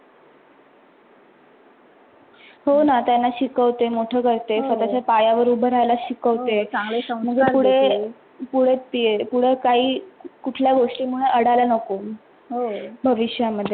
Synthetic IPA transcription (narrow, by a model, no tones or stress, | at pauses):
honat̪janːaɕikəʋt̪emoʈʰəːkəɾt̪efət̪at͡ɕjapajaʋəɾubʱəɾajlaɕikəʋt̪eaŋɡɭesəməɡeuɽe | puɽ̤et̪ːijepuɽ̤ekaɦiːkuʈʰljaɡoʂʈiːmuɭeʔəɽalanəko | ɦobʱəʋiɕjaməd̪ʱːje